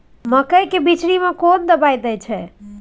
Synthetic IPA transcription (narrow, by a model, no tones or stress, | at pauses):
məkəjkebit͡ʃɽimẽkond̪əbajd̪ɛt͡ʃʰɛ